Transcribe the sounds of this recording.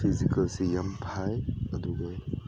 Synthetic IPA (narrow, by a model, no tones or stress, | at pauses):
pʰizikɐlsejɐmpʰajɐd̪uɡɔj